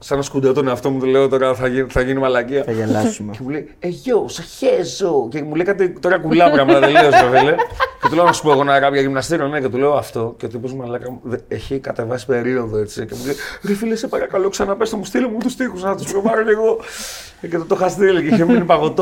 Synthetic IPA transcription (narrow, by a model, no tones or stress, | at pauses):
sɐnɐskud̪ot̪oneɐft̪o̞mut̪ule̞ot̪o̞ɾɐθɐinθɐʝinimɐlɐciɐθɐʝɐlɐsumcemulej | eʝosɐçezo̞ce̞mulejkɐt̪it̪o̞ɾɐkulɐpɾɐmɐt̪ɐðele̞osofelece̞t̪uleonɐsu̥poeɣo̞nɐɾɐpʝɐʝimnɐst̪iɾonecet̪ule̞oɐft̪o̞cet̪ipozmɐlɐkɐmðeçikɐt̪e̞vɐsi̥pe̞ɾiɾo̞ðo̞e̞t͡sicemulejɾefilesepɐɾɐkaloksɐnɐpest̪omust̪ilimut̪ust̪ixuznɐt̪u̥spɾovɐɾoce̞ɣo̞ | cet̪ot̪oxɐst̪iliciçeminipɐɣo̞t̪o